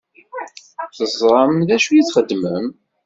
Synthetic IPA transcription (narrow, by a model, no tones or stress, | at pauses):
θəzˤɾˤɑmðæʃujiθχəd̪ːməm